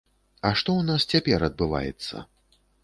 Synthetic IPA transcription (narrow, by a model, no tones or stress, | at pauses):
ɐʂt̪ɔwnast͡sʲapʲɛɾɐd̪̚bɨva̰jɛ̰t̪sːɐ̰